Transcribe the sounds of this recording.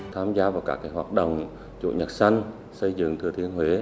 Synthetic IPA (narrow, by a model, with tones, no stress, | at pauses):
t̪ʰaː˧mzaː˧vaː˨˩wkaː˦˥kːaː˨˦jɦwaː˨˩t̚ɗo̰˧˨wŋ͡m | t͡ɕṵ˧˨ɲə˨˩t̚sa˧jŋ̟ | sə˧jzɨ̰˧˨ŋt̪ʰɨ˨˩ət̪ʰi˧ənɦwe˨˦